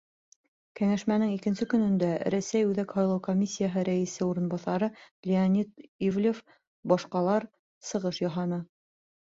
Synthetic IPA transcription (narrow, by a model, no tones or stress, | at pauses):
kæŋæʃmænɘŋikɘ̆nsɘkɵ̆nɵ̆nd̪æɾæsæjʉðækhɑjlˠɤwkomʲisʲːijaɦɤɾæĭsɘuɾɤ̆nbɑθɑɾɤlʲeanʲit̪ivlʲef | bɒʃqɑlˠɑɾ | sɤ̆ʁɤʃjɑɦɑnɤ